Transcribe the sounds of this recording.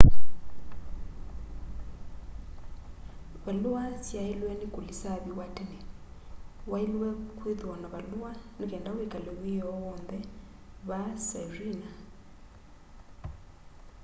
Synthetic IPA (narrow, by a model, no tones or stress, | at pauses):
βaluasjailwɛnikulisaβiwatɛnɛ | wailwɛkwiðuɔnaβaluwanikɛndawekalɛwijɔwɔnðɛ | βasarina